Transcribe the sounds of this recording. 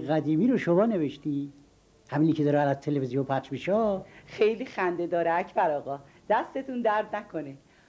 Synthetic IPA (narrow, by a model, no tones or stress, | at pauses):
ʁæd̪iːmiːɾoʃomɒːne̞veʃt̪iː | hæmiːnikʲʰed̪ɒːɾeælæzt̪ʰelevizijompʰæχd͡ʒmiʃɛxejlixænd̪ed̪ɒːɾeæcʰbæɾɒːɣɒː | d̪̥æst̪e̞t̪ʰund̪æɾd̪nækʰone